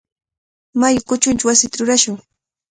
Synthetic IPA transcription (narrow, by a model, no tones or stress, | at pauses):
majʊkʊt͡ʃʊnt͡ʃʊwasɪt̪aɾʊɾaʃʊŋ